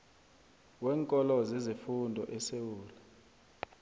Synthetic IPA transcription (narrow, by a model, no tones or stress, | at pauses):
wɛːŋkʼɔlɔzezifundʱɔʔɛsewuːlɛ